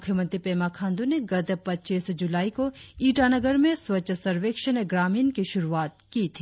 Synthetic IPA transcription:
ʊkʰjəmə̃nt̪ɾipeːmakʰãːnd̪uneɡɐd̪əpɐtːt͡ʃiːsd͡ʒʊlaːikoiːʈanɐɡəɾmẽswɐt͡ʃʰəsɐɾʋeːkʃəneɡɾaːmiːnkiʃʊɾuaːt̪̚kit̪ʰi

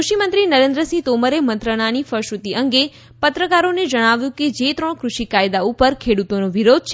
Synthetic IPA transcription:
uʃimə̃nt̪ɾinəɾẽnd̪ɾəsĩt̪oməɾemə̃nt̪ɾəɽ̃anifəɾʃut̪iʔəŋɡe | pət̪ɾəkaɾoned͡ʒəɽ̃aʋjũked͡ʒet̪ɾəɳ̃kɾuʃikajd̪aupəɾkʰeɽut̪onoʋiɾod̪̚ʱt͡ʃʰ

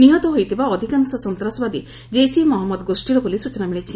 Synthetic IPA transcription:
niɦɔt̪ɔɦojt̪ʰibaɔd̪ʱikansɔsɔnt̪ɾasɔbad̪i | d͡ʒejsimɔɦɔmːɔd̪ɔɡosʈiɾɔbɔlisut͡ʃɔnamiɭit͡ʃʰi

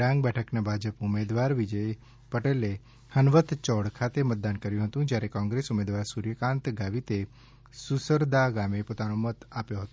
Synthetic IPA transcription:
ɖãŋɡ̚bɛʈʰəknabʱad͡ʒəpʊmed̪ʋaɾʋid͡ʒəj | pəʈele | hənʋət̪t͡ʃɔɽkʰat̪emət̪̚d̪ankəɾjũɦət̪ũd͡ʒjaɾekɔ̃ŋɡɾesumed̪ʋaɾsuɾjəkãnt̪ɡaʋit̪e | susəɾd̪aɡamepot̪anomət̪apjoɦət̪o

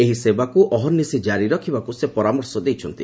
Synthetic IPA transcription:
eɦisebakuʔɔɦɔnːisid͡ʒaɾiɾɔkʰibakusepɔɾamɔɾsɔd̪ejt͡ʃʰɔnt̪ḭ

